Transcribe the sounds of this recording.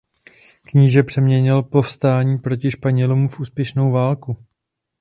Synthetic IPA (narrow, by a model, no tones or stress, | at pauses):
kɲɪʒɛpr̥ɛmɲɛɲɪlpo̞fst̪aːɲiːpɾo̞cɪʃpaɲɛlumufʔuːspjɛʃno̞wvaːlku